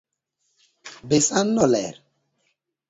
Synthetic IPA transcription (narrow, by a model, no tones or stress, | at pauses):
besanːɔlɛ̰ɾ